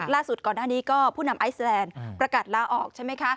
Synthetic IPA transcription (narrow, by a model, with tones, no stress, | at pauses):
laː˥˩su˨˩t̪̚kɔː˨˩naː˥˩niː˦˥kɔː˥˩pʰuː˥˩na˧mʔa˦˥jslɛː˧npɾa˧kaː˨˩t̪̚laː˦˥ʔɔː˨˩k̚t͡ɕʰa˥˩ma˦˥jkʰa˦˥ʔ